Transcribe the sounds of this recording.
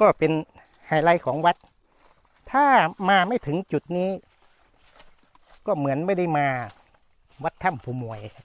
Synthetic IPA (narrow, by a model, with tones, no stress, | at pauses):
kɔː˥˩pe˧n | haː˨˩la˧jkʰɔː˩˦ŋwa˧˦˥t̪̚ | t̪ʰaː˧˥˩maː˧ma˥˩jt̪ʰɯ˩˦ŋt͡ɕu˨˩t̪̚niː˦˥ | kɔː˥˩mɯ˩˦ənmaː˥˩jda˥˩jmaː˧ | wa˦˥t̪ʰːa˧˥˩mpʰuː˧mu˨˩əjkʰa˦˧˥p̚